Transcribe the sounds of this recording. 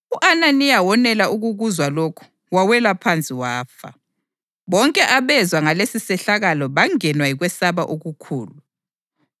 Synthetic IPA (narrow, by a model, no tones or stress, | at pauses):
uʔananijawɔnɛlaʔuɣuɣuzwalokʰu̥ | wawɛlapʰant͡sʼiwaːfa̰ | βɔŋkʼɛʔaβɛzwaŋalesisɛɬaɣalɔβaŋɛnwajiɣwɛsaβaʔoɣukʰuːlu